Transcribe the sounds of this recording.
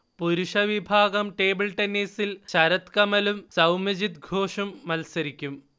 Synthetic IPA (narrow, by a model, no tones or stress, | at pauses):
puɾuʂɐʋibʱaːɡɐmʈe̞ːbilʈenːiːsilt͡ɕɐɾɐt̪kɐmɐlumsɐwmɐd͡ʑit̪̚ɡʱoːʂɐmːɐlsɐɾikʲːum